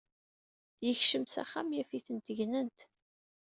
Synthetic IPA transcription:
jəçʃəmsæ̰χːamjæfiθənt̪əʝnənt̪

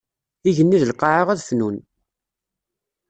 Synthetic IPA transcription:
iʝənːiðəlqːɑʕəʁæðfnun

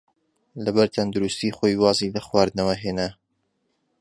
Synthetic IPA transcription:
lɐbɐɾt̪ʰɐnd̪uɾust̪iːxoːjwɑːzilɐxwaːɾd̪nɐwɐɦeːna

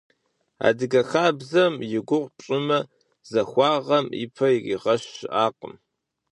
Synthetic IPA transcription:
a̰ːdɨɡɐxaːbzɐmjɪɡʷʊʁʷpɕʼɪmɐ | z̥ɐxʷɑːʁɐmḭpʰɐḭʁɐɕːɪʔaːqə̰m

